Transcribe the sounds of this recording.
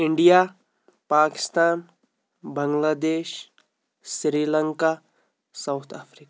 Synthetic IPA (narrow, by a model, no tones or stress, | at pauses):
ɪɳɖija | paːkɪ̥st̪aːn | bɐ̃ŋɡlaːd̪eːʃ | sɾiːlə̃ŋka | sawt̪ʰaːfɾiːka